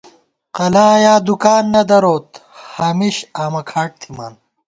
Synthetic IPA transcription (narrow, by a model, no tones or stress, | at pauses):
qɐlaːjaːd̪ukaːnːɐd̪ɐɾoːt̪haːmiɕaːmɐkʰaːʈ̚t̪ʰima̰ːn